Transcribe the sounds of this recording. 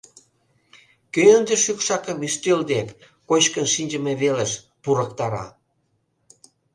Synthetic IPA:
køənd̪ĕʃykʃɑkə̆myst̪øld̪ek | kot͡ɕkənʃinʲd͡ʑə̆meβeleʃ | puɾəkt̪ɑɾɑ̰

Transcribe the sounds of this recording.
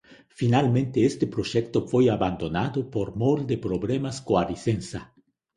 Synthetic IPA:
finalmẽnt̪eest̪epɾoʒɛkt̪ofojaβand̪onaðopoɾmold̪epɾoβlemaskoaɾisensa

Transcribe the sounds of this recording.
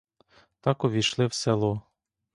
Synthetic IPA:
t̪ɑkɔʋʲiʃlˠɪwselˠɔ

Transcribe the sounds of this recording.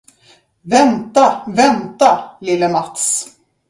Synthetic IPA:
vɛnt̪avɛnt̪alɪlːəmat̪s

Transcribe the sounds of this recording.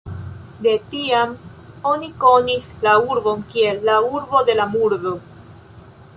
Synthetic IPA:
d̪e̞tiam | o̞niko̞nislauɾbo̞nkielːauɾbo̞d̪e̞lamuɾdo̞

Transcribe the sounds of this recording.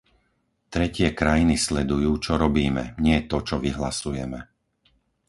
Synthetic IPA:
t̪ɾɛcɪɛkɾajinislɛd̪ujuːt͡ʃɔɾɔbiːmɛ̰ɲɪɛt̪ɔt͡ʃɔʋiɦlasujɛmɛ

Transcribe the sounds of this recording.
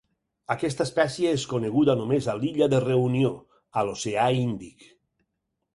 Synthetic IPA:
akɛst̪aespɛsjeeskoneɣuðanomezaliʎaðereunio | aloseaind̪ik

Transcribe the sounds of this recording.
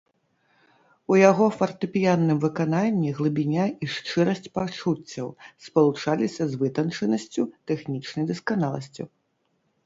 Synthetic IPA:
ujaɣɔfɐrt̪ɨpʲijanːɨmvɨkananʲːiɣlˠɨbʲinʲaiʂt͡ʂɨɾɐsʲt͡sʲpawt͡ʂut͡sʲːɐwspɐlˠut͡ʂalʲisʲɐzvɨt̪ɐnt͡ʂɨnɐsʲt͡sʲut̪ɛxnʲit͡ʂnɐjd̪ɐskanalˠɐsʲt͡sʲṵ

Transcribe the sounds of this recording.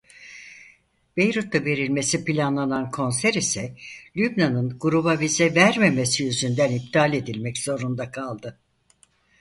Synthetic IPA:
b̥e̞jɾut̪ːave̞ɾilʲme̞sipilʲanlˠanankʰo̞nsæɾisɛlʲybnanɯnɡuɾubavizɛvæɾmeme̞sijyzynd̪ænip̚t̪ʰaːlʲe̞d̪ilʲmɛcz̥o̞ɾund̪akʰalˠd̪ɯ

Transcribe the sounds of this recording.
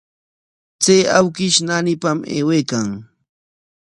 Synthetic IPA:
t͡sejawkɪʃnanɪpamḛːwejkaŋ

